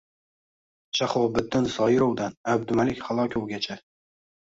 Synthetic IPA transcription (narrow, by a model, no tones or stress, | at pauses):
ʃaχɒbɪt̪ːɪnsɒjɪɾowd̪anab̚d̪ʊmalɪkʲχalˠɒkʲʰowɡʲat͡ʃʰa